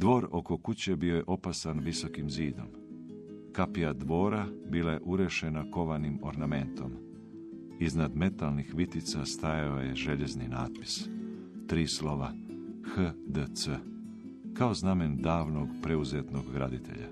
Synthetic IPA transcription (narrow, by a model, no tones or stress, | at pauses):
d̪ʋo̞ːɾo̞ko̞kut͡ɕe̞bijo̞je̞ʔo̞pasanʋiso̞kimziːd̪o̞m | kapijad̪ʋo̞ːɾabiːlˠaje̞ʔuɾeʃenako̞ʋanimo̞ɾname̞nt̪o̞m | iznad̪me̞t̪alˠnixʋit̪it̪sast̪ajaoje̞ʒe̞ʎe̞znina̰ːt̪̚pi̥s | t̪ɾiːslo̞ʋa̰ | xəd̪ət̪sə | kao̞zname̞nd̪aːʋnoɡpɾe̞uzet̪no̞ɡɡɾa̰d̪it̪ʰe̞̰ʎa̰